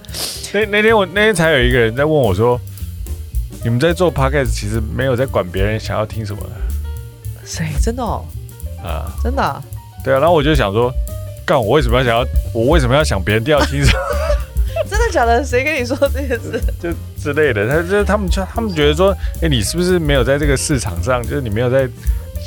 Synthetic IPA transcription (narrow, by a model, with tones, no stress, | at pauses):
na˥˩ɪna˥˩t̪ʰjɛ˥nwɔ˨˩na˥˩ɪt̪ʰjɛ˥nt͡sʰa˧˥jo˨˩ʊi˧˥ɡə˧ɻə˧˦˥nt͡sa˥˧ɪwə˥˩nwɔ˨˩ʂwɔ˥ | ni˨˩mə˦nt͡sa˥˧ɪt͡swɔ˥pʰa˥kʰɛ˥˩st͡ɕʰi˧˥ʂɻ̩˧˥me˧˥ɪjo˨˩ʊt͡sa˥˩ɪkwa˨˩npjɛ˧˥ɻə˧˥nɕjɑ̰˨˩ŋjɑ˥˩ʊt̪ʰi˥ŋʂə˧˥nmə̰˧nə˩ | ʂe˧˥ɪʈ͡ʂə˥nd̪ə˨˩ɐ̰˨˩ʈ͡ʂə˥nd̪ə˨˩t̪we˥˩ɪ˨˩na˧˥˩wɔ˨˩t͡ɕjo˥˩ʊɕjɑ̰˨˩ŋʂwɔ˥ka˥˩wwe˥˩ɪʂə˧˥mə˧jɕjɑ˨˩jɑ˥˧˩wɔ˨˩we˥˩ɪʂə˧˩m˧jɑ˥˩ɕjɑ˨˩ŋpjɻnt̪i˥˧jɑ˥˩t̪ʰi˥ŋʂə˨˩m | ʈ͡ʂə˥nd̪ə˨ɕjɑ˨˩ŋd̪ə˦ʂe˧˥ɪkni˨˩s̬wɔ˥˧ʈ͡ʂə˥˧ɕɛ˥˧ʂɻ̩˥˧˩t͡ɕjo˥˧ʊ | ʈ͡ʂɻ̩˥le˥˩ɪd̪ə˩t̪a˥˩t̪ʰa˥mə˨nt͡ɕo˥˧t̪ʰa˥mə˨nt͡ɕɥɛ˧˥d̪ə˧ʂ̬wɔ˥e˥˩ɪni˨˩ʂɻ̩˥˩bu˨˩ʂɻ̩˥˩me˧˥ɪjo˨˩t͡sa˥˧ɪʈ͡ʂɤ˥˩ɡə˩ʂɻ̩˥˩ʈ͡ʂʰɑ̰˨˩ŋʂɑ˥˩ŋt͡ɕjo˥˧ʊʂɻ̩˥˩i˨˩m˧˥jo˨˩t͡sa˥˩ɪ